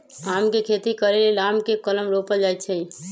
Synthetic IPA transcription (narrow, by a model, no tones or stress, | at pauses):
aːmkekʰeːt̪ikəɾelelaːmkekələmɾopəld͡ʒaːjt͡ʃʰẽ